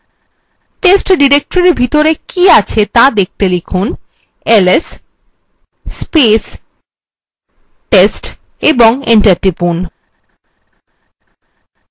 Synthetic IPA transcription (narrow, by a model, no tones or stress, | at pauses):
ʈesʈɖiɾek̚ʈoɾeɾbʱit̪oɾekiat͡ɕʰet̪ãd̪ek̚t̪elikʰun | eles | pes | ʈesʈ | eboŋeɳʈaɾʈɾipun